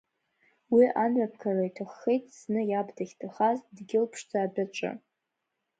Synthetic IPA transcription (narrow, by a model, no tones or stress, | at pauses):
wiʔanɥap̚ʰkʰaraitʰaχːejtʼsnɨjabdʰaχʲtʰaχazdɡʲɪlpʰʂd͡zaːbʷᶣaʈ͡ʂʼɨ̰